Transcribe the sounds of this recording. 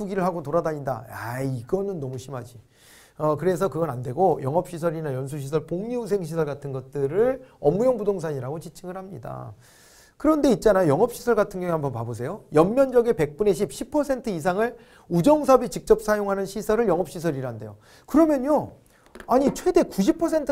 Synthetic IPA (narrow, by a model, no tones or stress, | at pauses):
uɡiɾɯɭɦaɡotoɾadaɲinda̰aiɡʌnɯnːʌmuɕʰimad͡ʑi | ʌkɯɾe̞s̬ʰʌkɯɡʌnande̞ɡojʌŋɦʌp̚ɕ͈ʰisʰʌɾinajʌns̬ʰuɕ̬ʰis̬ʰʌɭpoŋɲius̬ʰe̞ŋɕʰisʰʌɭɡatʰɯnɡʌt̚t͈ɯɾɯɭʌmujoŋbudoŋs̬ʰaɲiɾaɡot͡ɕit͡ɕʰiɡɯɭɦhamɲida̰ | kɯɾʌnde̞it̚t͡ɕ͈anajojʌŋɦʌp̚ɕ͈ʰi̥sʰʌɭɡatʰɯnɡjʌŋiɦambʌnpabos̬ʰe̞jojʌmmjʌnd͡ʑʌɡepe̞k̚p͈une̞ɕ̬ʰip̚ɕʰipʰʌsʰe̞ntʰɯis̬ʰaŋɯɭ | ud͡ʑʌŋsʰʌbit͡ɕik̚t͡ɕ͈ʌp̚s͈ʰajoŋɦanɯnɕʰisʰʌɾɯɭjʌŋʌp̚ɕ͈ʰis̬ʰʌɾiɾaɦnde̞̰jo | kɯɾʌmjʌɲjo | aɲit͡ɕʰwe̞de̞kuɕ̬ʰipʰʌsʰe̞ntʰ